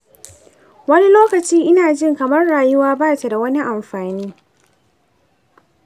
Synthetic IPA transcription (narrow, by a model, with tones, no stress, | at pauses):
wɐ˦ni˦loː˦kɐ˨t͡ʃiː˦ʔɪ˦naː˨d͡ʒɪ˦ŋkɐ˨mɐ˦rːaː˨jʊ˦waː˦baː˦ta˨da˨wɐ˦ni˦ʔa˨mɸaː˨niː˦